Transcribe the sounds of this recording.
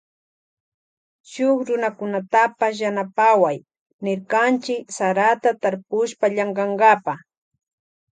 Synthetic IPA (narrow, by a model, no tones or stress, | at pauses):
ʃʊkɾʊnakʊnat̪apas̬janapawaj | nɪɾkant͡ʃɪksaɾat̪at̪aɾpʊʃpaʎaɴɡɑŋɡapa